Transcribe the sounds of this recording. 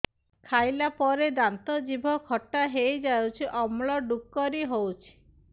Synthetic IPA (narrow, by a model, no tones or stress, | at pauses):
kʰajlapɔɾed̪ant̪ɔd͡ʒibʱɔkʰɔʈːaɦejd͡ʒawt͡ʃʰiʔɔmɭɔɖukːɔɾiɦowt͡ʃʰi̥